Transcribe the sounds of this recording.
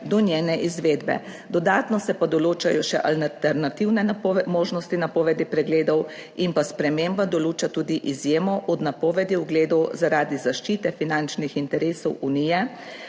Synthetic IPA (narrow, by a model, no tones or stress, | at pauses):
d̪ɔnʲjeːnɛʔizʋeːd̪bɛ̰ | d̪ɔd̪aːt̪nɔsɛpad̪ɔloːt͡ʃajɔʃɛ̰ʔalt̪ɛɾnat̪iwnɛmoːʒnɔst̪inapɔːʋɛd̪ipɾɛɡleːd̪ɔwimpaspɾɛmeːmbad̪ɔluːt͡ʃat̪uːd̪iʔizjeːmɔʔɔd̪napɔːʋɛd̪iuɡleːd̪ɔwzaɾaːd̪izaʃt͡ʃiːt̪ɛfinant͡ʃnixint̪ɛɾeːsɔwunijɛ